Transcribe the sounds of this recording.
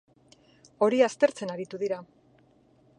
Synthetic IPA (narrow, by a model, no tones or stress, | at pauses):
o̞ɾiast̪e̞ɾt͡se̞naɾit̪uðiɾa